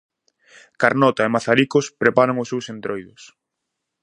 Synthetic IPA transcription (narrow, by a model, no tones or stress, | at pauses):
kaɾnɔt̪aemaθaɾikʊspɾepaɾaŋʊsːewsent̪ɾojðʊs